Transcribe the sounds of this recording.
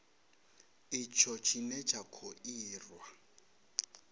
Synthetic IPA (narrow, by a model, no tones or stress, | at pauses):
it͡ʃʰɔt͡ʃʰinɛt͡ʃʰakʰoiːrwa